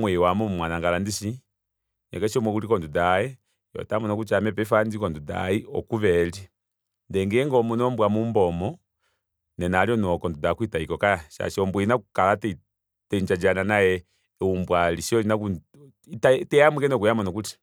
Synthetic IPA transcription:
mwɛwamɔmwanaŋɡalandiʃi | nɛ̰kɛʃɔmwɛkuɾikɔndudajɛ | jɔ̰tamɔnɔkut͡ʃamɛpɛfandikɔnduda̰iɔ̰kuʋɛli | ndɛŋɡɛŋɡɔmunɔmbwamumbɔmɔ | nɛnaljɔnɔkɔndudakuitaikɔkajaʃa̰ʃɔmbwɛinakukalatɛ | tɛɲd͡ʒad͡ʒananajɛ | umbwaliʃiɔinaku | tatɛjamukɛnɔkujamɔnɔkuti̥

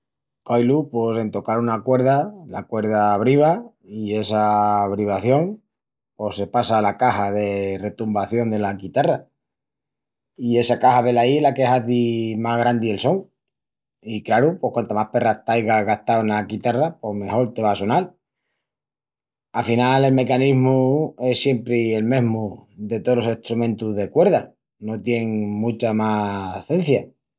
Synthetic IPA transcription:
kojlupo̞se̞nt̪o̞kaɾunakwe̞ɾðala̰kwe̞ɾð̞aβ̞ɾiβa | ie̞saβɾiβ̞aθjo̞ŋ | po̞se̞pasalakahaðe̞re̞t̪umbaθjo̞nd̪e̞lakit̪ara | ie̞sakahaβe̞laielakeɦaðimaɣɾand̪ielso̞ŋ | ikɾaɾupo̞hkwant̪amape̞raht̪ajɣaɣaht̪awenaɡit̪arapo̞hme̞ho̞ɾt̪e̞βaso̞nal | afinale̞lme̞kaniɦmue̞sje̞mpɾeelme̞ɦmud̪e̞t̪olo̞se̞ht̪ɾumẽnt̪uðe̞kwe̞ɾða | no̞t̪je̞ŋmũt͡ʃamaθe̞n̟θja

